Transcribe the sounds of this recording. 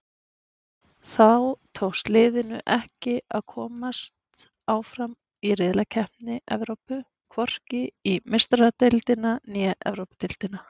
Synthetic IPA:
θawt̪ʰowst̪lɪːðɪnʏʔɛhcɪaðkʰɔːmast̪ | aːwfɾam | iɾɪðlacʰɛhpnɪʔɛ̰vɾowpʏ | kʰvɔr̥cɪimɪst̪ɾat̪elt̪ɪnanjɛʔɛ̰vɾowpɪt̪ɪlt̪ɪna

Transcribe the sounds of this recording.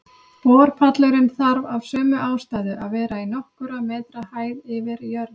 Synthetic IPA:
pɔːɾ̥pʰat̪lɛɾɪnθaɾvav̥sœːmʏʔaːwst̪ajðʏʔaðvɛːɾainɔhkʏɾamɛːt̪ɾahaːjðɪvɪɾjœɾð

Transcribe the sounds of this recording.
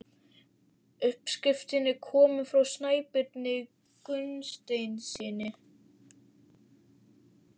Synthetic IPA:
ʏhpskɾɪft̪ɪnɪkʰɔːmʏfɾawsnaːjpɪt̪nɪ | kʏnst̪ejnsiːnɪ

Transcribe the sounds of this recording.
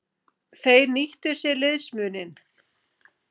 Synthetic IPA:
θejɾniht̪ʏ̥sjɛlɪðsmʏːnɪn

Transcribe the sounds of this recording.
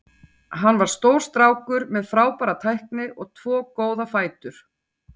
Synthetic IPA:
ɦanːvaɾ̥st̪owɾ̥st̪ɾaːwkʏɾmɛðfɾaːwpaːɾat̪ʰajhknɪɔɣt̪ʰv̥ɔːkoːwðafaːjt̪ʏɾ̥

